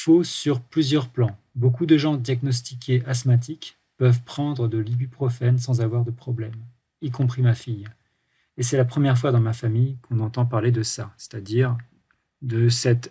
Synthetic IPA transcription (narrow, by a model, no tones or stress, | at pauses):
fosyʁplyzjœʁplɑ̃ | bokud̪əʒɑ̃d̪jaɡnɔs̬t̪ikʰʲeasmat̪̬ik | pœvpχɑ̃d̪ʁəd̪əlibypχɔfɛnsɑ̃zavwaʁd̪əpχɔblɛm | ikɔ̃pχimafij | esɛlapχəmjɛʁfwad̪ɑ̃mafamijkɔ̃nɑ̃t̪ɑ̃paʁled̪əsase̥t̪ad̪iʁ | d̪əsɛt̪